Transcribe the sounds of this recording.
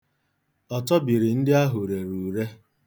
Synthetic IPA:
ɔ˨tɔ˦bi˨ɾɪ˨n̩˦dɪ˦a˦ɦʊ˨ɾe˨ɾuː˨ɾe˦

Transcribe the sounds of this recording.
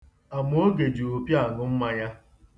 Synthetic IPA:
a˨m˦o˦o˦ɡe˨d͡ʒi˨o˨pja˦˨nʊ˦m̩˦ma˦ɲa˦

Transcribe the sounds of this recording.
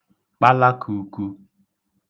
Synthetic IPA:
k͡pa˦la˦kʰu˨˦ku˦

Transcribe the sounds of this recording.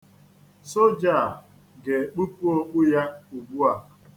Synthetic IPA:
so˦d͡ʒa˨ | ɡe˨k͡pu˦pu˦o˦k͡pu˦ja˦u˨ɡ͡bu˦a˨

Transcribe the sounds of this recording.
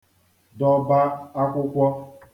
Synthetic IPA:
dɔ˨ba˦a˦kʷʊ˦kʷɔ˦

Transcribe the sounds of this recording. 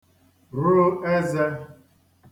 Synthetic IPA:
ɾʊ˦ɾʊ˦e˦ze˦

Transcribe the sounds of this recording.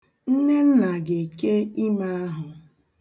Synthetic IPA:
n̩˦ne˦n̩˦na˨ɡe˨i˨ke˦i˦ma˦a˦ɦʊ˨

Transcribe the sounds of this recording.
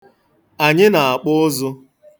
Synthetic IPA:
a˨ɲɪ˦na˨a˨k͡pʊ˦zʊ˦

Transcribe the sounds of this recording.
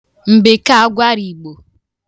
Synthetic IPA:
m̩˨be˨ka˦a˦ɡʷa˦ɾi˨ɡ͡bo˨

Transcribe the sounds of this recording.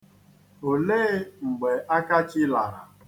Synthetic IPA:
o˨leː˦ŋ͡m̩˨ɡ͡be˨ʔa˦ka˦t͡ʃɪ˦la˨ɾa˨

